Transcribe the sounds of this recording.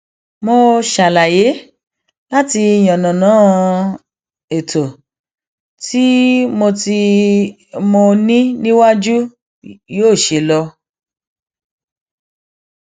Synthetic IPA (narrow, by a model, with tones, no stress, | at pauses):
mo˧ʃa˨la˨je˨˦ | la˦ti˧j̃ɔ̃˨nɔ̃˨nã˨˦ | e˨tʰo˨ | ti˦mo˧ti˧ | mo˧nĩ˦nĩ˦wa˦d͡ʒu˦ | joː˦˨ʃe˨lɔ˧